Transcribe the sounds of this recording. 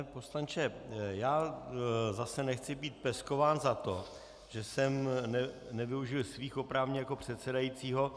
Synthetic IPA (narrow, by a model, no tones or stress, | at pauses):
poslant͡ʃɛjaː | zasɛnɛxt͡sɪbiːt̪̚pɛsko̞vaːnzat̪o̞ | ʒ̥ɛsɛmnɛnɛvɪuʒɪlsviːxo̞pɾavɲɛjako̞pr̝̥ɛt̪sɛdajiːt͡siːɦo̞